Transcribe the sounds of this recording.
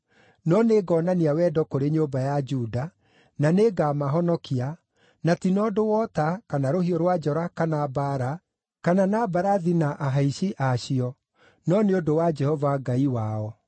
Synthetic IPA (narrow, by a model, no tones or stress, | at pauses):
nɔneɡɔːnaniawɛdɔkoɾeɲoːbajad͡ʒuːda | naneɡamaɦɔnɔkʰia | natinɔdowɔtakanaɾoɦiɔɾwad͡ʒɔɾakanabaɾa | kananabaɾaðinaʔaɦaiɕiʔaɕiɔ | nɔneodowad͡ʒɛhɔvaɡaiwaɔ